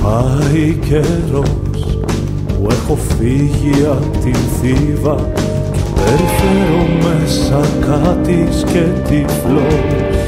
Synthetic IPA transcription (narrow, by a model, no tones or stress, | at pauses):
pɐiceɾo | s | puexo̞fiʝiɐ | t̪inθivɐ | eɾfeɾumesɐkat̪iscet̪iflo